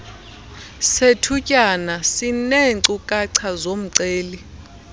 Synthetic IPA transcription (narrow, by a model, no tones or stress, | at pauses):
setʰucʼanasineǀukʼaǀʰazom̩ǀeːli